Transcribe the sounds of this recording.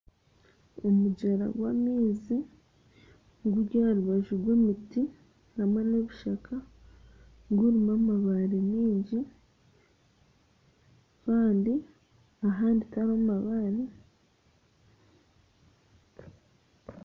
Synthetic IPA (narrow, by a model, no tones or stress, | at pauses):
omuɟeɾa̰ɡwamiːzi | ɡuɾɟaɾuβaʒuɡweːmiti | namwe̞ne̞βiʃakʰa | ɡuɾimamaβaɾemiːɲɟi | kaːndi | aɦaːnditaɾomaβaɾe